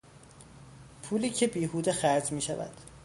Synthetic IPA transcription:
pʰuːliːcʰe̞biːɦuːd̪exæɾd͡ʒmiːʃævæ̰d̪̥

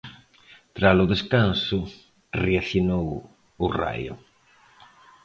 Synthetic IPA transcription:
t̪ɾasʊðeskansʊ | reaθjonow | ʊra̰jʊ̰

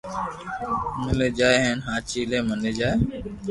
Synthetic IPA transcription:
məleːd͡ʒaːeɦenɦãːt͡ʃiːleːməneːd͡ʒaːe

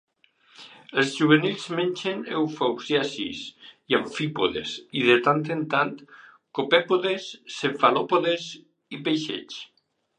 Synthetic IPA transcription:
elˠzʒuβ̞enilˠzmenʲt͡ʃenewfowzjasḭsiaɱfipoðḛsiðet̪ant̪ent̪ant̪ | kopepoðesːeɱfalopoðez | ipejʃḛt͡ʃ

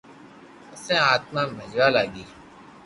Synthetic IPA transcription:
ʊsẽːaːt̪mãːməd͡ʒwaːlaːɡiː

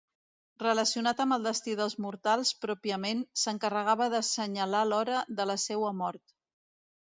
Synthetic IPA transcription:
rələsiunat̪əmbəlˠd̪əst̪iðəlˠzmuɾt̪alˠspɾɔpiəmensəŋkərəɣaβəðəsəɲəlalɔɾəðələsɛwəmɔɾt̪

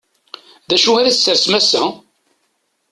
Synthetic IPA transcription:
ðæʃuæðæsːəɾsmæsæ

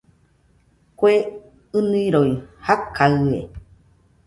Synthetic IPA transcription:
kʷoe | ɨnɨiɾoihakʰaɨḛ

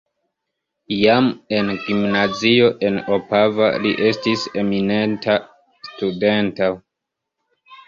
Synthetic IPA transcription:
jame̞nɡimnazio̞ʔe̞nopava̰lḭʔe̞stise̞mine̞nta | stude̞nta

